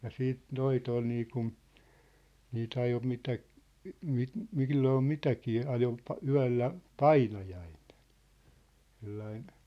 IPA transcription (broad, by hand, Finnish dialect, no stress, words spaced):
jɑ siːt noit ol niːkun niːt ɑjo mitæ mi milːoː mitækiː ɑjo pɑ yæ̝lːæ pɑinɑjɑin̥e̥n̥ selːɑin